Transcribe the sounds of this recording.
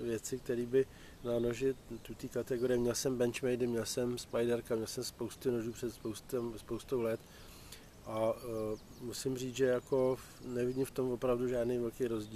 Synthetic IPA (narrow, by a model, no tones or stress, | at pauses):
vjɛt͡sɪk̚t̪ɛɾiːbɪ | nanoʒɪt̪ut̪iːkat̪ɛɡo̞ɾɪjɪmɲɛlsɛmbɛnt͡ʃmɛjdɪmɲɛlsɛmspajdɛɾkamɲɛlsɛmspo̞wst̪ɪno̞ʒuːpr̥ɛt̪spowst̪ɛmspowst̪owlɛt̪ | ʔa | musɪmriːʒɛjako̞fnɛvɪɟɪmft̪o̞mvo̞pɾavduʒaːdnejvɛlkejɾo̞zɟiː